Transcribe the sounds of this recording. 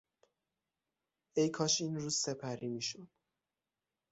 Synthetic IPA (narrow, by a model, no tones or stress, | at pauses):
ejkʰɒːʃiːnɾuːz̥sepʰæɾimiːʃod̪̥